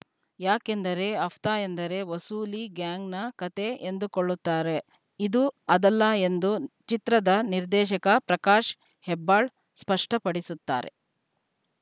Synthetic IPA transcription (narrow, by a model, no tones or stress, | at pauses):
jaːke̞nd̪ɐɾe̞ɐft̪aːend̪ɐɾe̞ʋɐsuːliɡjaːŋɡnɐkɐt̪ʰe̞end̪ukoɭːut̪ːaːɾe̞ | id̪uɐd̪ɐlːɐe̞nd̪ut͡ʃit̪ɾɐd̪ɐniɾd̪ɛːʃɐkɐpɾɐkaːʂ | hɛbːaːɭ | spɐʂʈɐpɐɽisut̪ːa̰ːɾe̞̰